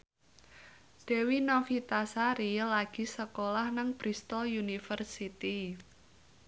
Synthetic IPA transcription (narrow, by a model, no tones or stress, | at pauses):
d̥e̤winɔfit̪asaɾilaɡ̥i̤səkolahnaŋb̥ɾist̪ɔljunifərsit̪i